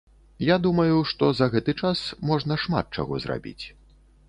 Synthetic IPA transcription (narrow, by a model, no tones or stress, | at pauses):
jad̪umɐjuʂt̪ɔzɐɣɛt̪ɨt͡ʂasmɔʐnɐʂma̰t̪̚t͡ʂa̰ɣɔ̰zra̰bʲḭt͡sʲ